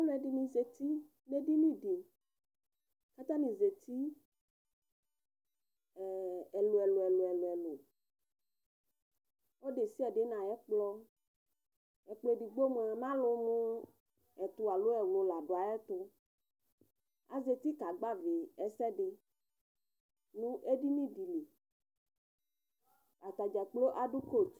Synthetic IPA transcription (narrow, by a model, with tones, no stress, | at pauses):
o˦lo˦ɛ˨ɖi˨nĩ˨ze˨t̪i˦ | ne˦di˦nĩ˦ɖi˨ | ka˦t̪a˦nĩ˨ze˨t̪i˦˨ | ɛ˨lo˨ɛ˨lo˨ɛ˨lɛ˨lo˨ɛ˨lo˨ | wo˦ɖe˨si˦ɛ˨ɖe˨˦nã˨jɛ˦k͡plɔ˦ | ɛ˨k͡ple˦di˨ɡ͡bo˦m˨ɛ˨mã˦lo˨mõ˦ | ɛ˨t̪u˨˦a˨lo˦ɛ˨wlo˨la˨ɖo˨a˨ɛ˦t̪ʊ˦ | a̰˨ze˨t̪i˦ka˨ɡ͡ba˦ve˨ɛ˨sɛ˦ɖɪ˨ | nũ˦ʔe˦ɖi˦nĩ˦di˨li˨ | a˨t̪a˨d͡ʒɛ˨k͡plo˦ʔa˨ɖu˦ko˦˨